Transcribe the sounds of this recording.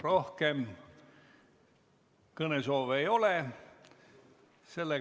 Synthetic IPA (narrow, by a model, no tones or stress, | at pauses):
ro̞hkem | kɤnesoːʋejo̞le | se̞lːe